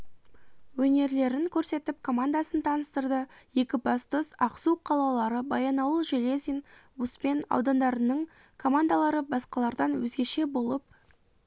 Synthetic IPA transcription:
wɵne̞ɾle̞ɾɪŋkʲʰɵɾse̞t̪ɪp̚kʰo̞mand̪asənt̪ʰɑnəst̪əɾd̪əje̞kʲɪbɑst̪ʊsɑqsuqʰɑlˠɑlˠɑɾəbɑjɑnɑwəʒele̞zinbuspe̞nɑ̰wd̪ɑnd̪ɑɾənəɴ | kʰo̞mand̪alˠɑɾəbɑsqɑlˠɑɾd̪ɑnwɵzɡʲe̞ʃe̞bo̞lˠəp̚

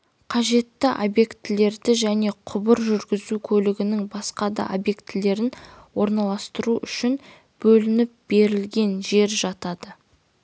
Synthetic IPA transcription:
qʰɑʒe̞t̪ːɪʔobje̞kt̪ːɪle̞ɾd̪ɪʒæne̞qʰʊbəɾʒʏɾɡʲɪzukʲʰɵlɪɡʲɪnɪŋbɑsqɑd̪ɑ̰ʔobje̞kt̪ːɪle̞ɾɪnwo̞ɾnɑlˠɑst̪əɾuʔʏʃɪn | b̥ɵlɪnɪp̚b̥e̞ɾɪlɡʲe̞nʒe̞ɾʒɑt̪ɑd̪̥ə

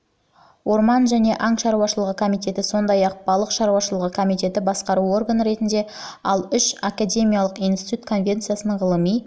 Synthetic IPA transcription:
wʔo̞ɾmɑnʒæne̞ʔɑŋʃɑɾuwɑʃəlˠəʁəkʰo̞mijt̪e̞t̪ɪso̞nd̪ɑjɑq̚b̥ɑlˠəqʃɑɾuwɑʃəlˠəʁəkʰo̞mijt̪e̞t̪ɪbɑsqɑɾuo̞rɡanəɾe̞t̪ɪnd̪e̞ɑlˠʏʃakad̪ʲe̞mʲijɑlˠəqijnst̪i̥t̪ut̪̚kʰo̞nvʲe̞nt̪sɨjasənʁəlˠəmij

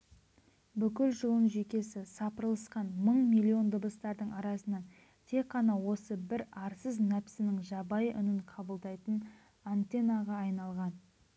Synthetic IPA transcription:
bʏkʲɪlʒʊlˠəɴʒekʲe̞sɪsɑpəɾlˠəsqɑnməɴmilʲːio̞nd̪əbəst̪ɑɾd̪əɴɑɾɑsənɑn | t̪ʰe̞k̚qːɑnɑwo̞səbɪɾɑɾsəznæpsɪnɪŋʒɑbɑjʔʏ̰nɪɴqʰɑbəlˠd̪ɑjt̪ən | ant̪e̞naʁɑːjnɑlˠʁɑn

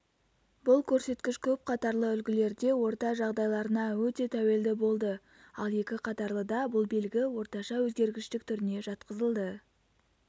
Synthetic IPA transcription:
bʊlˠkʲʰɵɾse̞t̪kʲɪʃkʲʰɵp̚qʰɑt̪ɑɾlˠəʏlɡʲɪle̞ɾd̪e̞wo̞ɾt̪ɑʒɑʁd̪ɑjlˠɑɾənɑwɵt̪e̞t̪ʰæwe̞ld̪ɪbo̞lˠd̪ə | ɑlˠje̞kʲɪqʰɑt̪ɑɾlˠəd̪ɑbʊlˠbe̞lɡʲɪwo̞ɾt̪ɑʃɑwɵzɡʲe̞ɾɡʲɪʃt̪ɪk̚t̪ʰʏɾɪne̞ʒɑt̪qəzəlˠd̪ə

